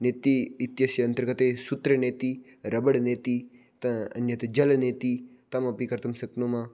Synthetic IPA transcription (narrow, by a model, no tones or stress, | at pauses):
net̪iit̪jɐsjɐɐnt̪ɐɾɡɐt̪esut̪ɾəneːt̪i | ɾɐbəɽneːt̪i | t̪ɐɐ̰njɐt̪d͡ʒɐlneːt̪it̪ɐmɐpikɐɾt̪ɐmsɐknomã